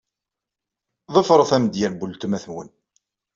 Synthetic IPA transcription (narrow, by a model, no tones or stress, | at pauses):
ðˤəfɾˤəθæməd̪jæɾbult̪əmæθənwə̰n